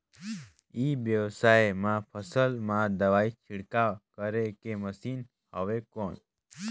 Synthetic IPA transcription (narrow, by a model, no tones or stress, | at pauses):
iʋjəʋsajmãpʰəsəlmãd̪əʋait͡ʃʰɪɽkakəɾekeməsin | həʋekɔɳ